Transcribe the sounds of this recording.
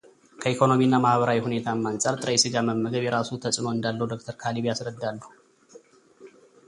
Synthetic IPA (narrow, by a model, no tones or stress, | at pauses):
kʰəikʰo̞no̞miɨnːamahβəɾawihune̞t̪ʰamːansʼaɾt̪ʼɨɾəjsɨɡaməmːəɡəβjɛɾasut̪ʰəsʼno̞ɨnd̪alːəhwd̪o̞k̚t̪ʰəɾkʰaliβjasɾəd̪ːalːəhu